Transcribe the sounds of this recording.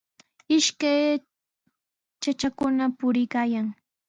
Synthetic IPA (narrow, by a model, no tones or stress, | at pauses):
ɪʃkaj | t͡ʃat͡ʃakʊnapʊɾɪkaːjaŋ